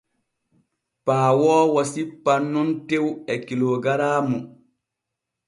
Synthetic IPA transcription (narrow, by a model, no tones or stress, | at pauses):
paːwɔːwasipːanːuntewɛkiloɡaɾaːmu